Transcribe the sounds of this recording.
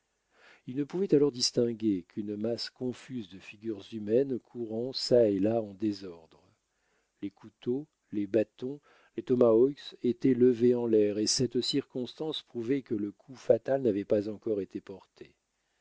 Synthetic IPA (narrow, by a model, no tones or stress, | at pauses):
ilnəpuvɛt̪alɔʁd̪ist̪ɛ̃ɡʲekʰynmaskɔ̃fyzd̪əfiɡʲyʁzymɛnkʰuʁɑ̃saelaɑ̃d̪ezɔʁd̪ʁə | lekʰut̪o | lebat̪ɔ̃ | let̪ɔmaɔset̪ɛləveɑ̃lɛʁesɛt̪siʁkɔ̃st̪ɑ̃spχuvɛkələkʰufat̪alnavɛpazɑ̃kɔʁet̪ʰepɔʁt̪ʰe